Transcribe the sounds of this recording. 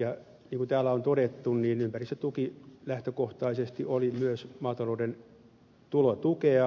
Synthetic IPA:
jɑ | niːŋkunt̪æːlːæont̪odet̪ːunniːnympærist̪ːæt̪ukilæht̪økoht̪ɑisest̪iʔolimyøsmɑːt̪ɑlouden | t̪ulot̪ukeɑ

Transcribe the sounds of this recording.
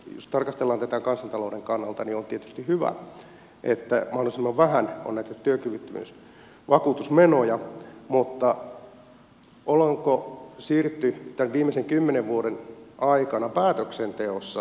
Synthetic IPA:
jo̰st̪ɑrkɑst̪elːɑːnt̪æt̪ækɑnsɑnt̪ɑloˑːdeŋkɑnːɑlt̪ɑniont̪iet̪yst̪ihyʋæ̰ | ʔḛt̪ːæmɑhlolisimːɑʋʋæɦæno̰nːæit̪ːt̪yøkyʋyt̪ːymy̰s | ʋɑkuːt̪usmenojɑmut̪ːɑ | olɑŋkosiːrt̪ːyt̪ænʋiːmːeseŋkymːeneʋʋuodenʔɑikɑnɑpæːt̪øksent̪eosːɑ

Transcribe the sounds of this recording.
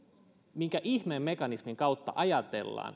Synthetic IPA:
miŋkæʔiçmeːmːe̞kɑnismiŋkɑut̪ːɑ̰ʔɑjɑt̪e̞̰lːɑ̰ːn

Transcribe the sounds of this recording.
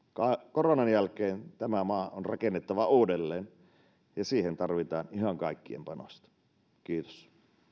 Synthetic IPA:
kɑkoronɑnjælkeːnt̪æmæmɑːonrʔɑkenːet̪ːɑʋɑuːdelːeːn | jɑsiːhent̪ɑrʋit̪ɑːniɦɑŋkɑikːiḛmpɑno̰st̪ɑ̥ | kiːt̪o̥s

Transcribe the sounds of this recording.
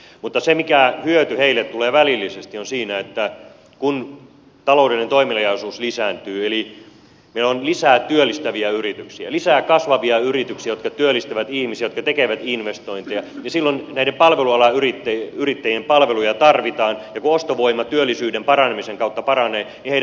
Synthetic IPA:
mut̪ːɑsemikæhyøt̪yheilːet̪ːuleːʋælilːisest̪ionsiːnæet̪ːæ | kun | t̪ɑloudelinet̪oimilɑjɑisuːslisæːnt̪yːeli | meilːonlisæːt̪yølːist̪æʋiæyrit̪yksiæ̰lisæːkɑsʋɑʋiɑyrit̪yksiæjot̪kɑt̪yølːˑist̪æʋæt̪ihmisiæjot̪kɑt̪ekeʋæt̪inʋest̪oint̪ejɑjɑsilːonnæidempɑlʋeluɑlɑyrit̪ːeyrit̪ːæjiempɑlʋelujɑt̪ɑrʋit̪ɑːnjɑkuost̪oʋoimːˑɑt̪yølːisyːdempɑrɑnemiseŋkɑˑut̪ːɑpɑrɑneːniheiæ

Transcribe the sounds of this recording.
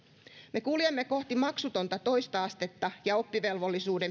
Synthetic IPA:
me̞kuljemːeko̞ht̪imɑksut̪o̞nt̪ɑt̪o̞jst̪ɑɑst̪e̞t̪ːɑjɑo̞pːiʋe̞lʋo̞lːisuːde̞m

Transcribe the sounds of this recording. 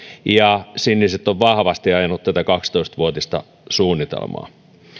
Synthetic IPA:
jɑsinːiset̪ːoʋʋɑhʋɑst̪iɑjɑnut̪t̪æt̪ækɑkst̪oist̪ʋuot̪ist̪ɑ̰ | suːnːit̪ḛlmɑ̰ː

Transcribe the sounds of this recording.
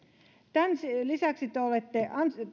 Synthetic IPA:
t̪ænslisæksit̪eolet̪ːeʔɑn

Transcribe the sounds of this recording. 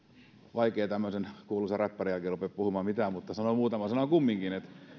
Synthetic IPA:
ʋɑikeːt̪æmːøsenkuolusɑræpːærijælkeːˑrupeppuhumɑːmit̪æmut̪ːɑsɑnomuːt̪ɑmɑsɑnokumːiŋkinet̪

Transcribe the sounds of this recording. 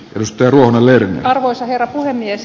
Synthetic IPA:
ʔeɾust̪ːˑɑjːruohonɑlernḛɑrʋoisɑherːɑpuhemːies

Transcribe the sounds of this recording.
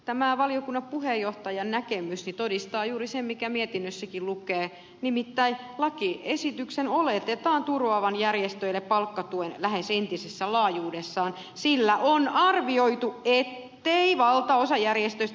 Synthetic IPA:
t̪æmæʋɑliokunːɑppuhejoht̪ɑjɑnnækemysnit̪odist̪ɑːjuːɾisemmikæmiet̪inːøsːækillukeː | nimit̪ːæi | lɑkiesit̪yksenolet̪et̪ɑːnt̪uroɑʋɑnjærjest̪øilːeppɑlkːɑt̪uenlæhesent̪isesːælɑːjuːdesːɑːn | silːæʔonɑrʋioit̪uet̪ːeiʋɑlt̪ɑosɑjærjest̪øis

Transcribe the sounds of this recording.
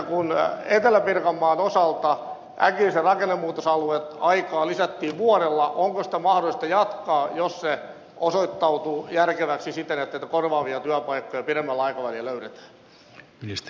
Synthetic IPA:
kunet̪elæpirkɑmːɑːnosɑlt̪ɑ | ʔæ̰kilːˑiserɑkenːemːuːt̪osɑluet̪ɑikɑːlisæt̪ːiːʋʋuoɾelːɑʔoŋkosi̥t̪æmɑhdolist̪ɑjɑt̪kɑːjosse | ʔosoit̪ːɑut̪ujærkeʋæksisit̪enet̪ːæeit̪ækorʋɑːʋiɑt̪yæpɑikːojɑpiɾemːælːɑikɑʋælilløyret̪æ̥ː | minist̪

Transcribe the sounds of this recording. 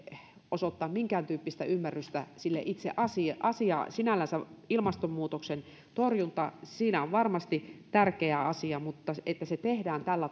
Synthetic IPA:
osot̪ːɑːmmiŋkæːnt̪yːpːist̪æymːærːyst̪æsilːḛʔit̪sḛʔɑsiʔɑsiɑ̰sinælːænsæilmɑst̪ommuːt̪oksen | t̪orjunt̪ɑsiːnæoʋʋɑrmɑst̪it̪ærkeæɑsiɑmut̪ːɑet̪ːæset̪ehdæːnt̪ælːæ

